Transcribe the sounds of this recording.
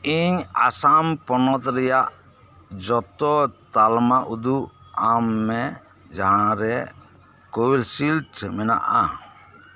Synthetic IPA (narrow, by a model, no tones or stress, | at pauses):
iɲa̰sampɔnɔt̪ɾɛjaʔ | d͡ʒɔt̪ɔt̪almaʔud̪uamːɛ | d͡ʒaɦãɾɛ | kowilsilʈʰmɛna̰ʔa̰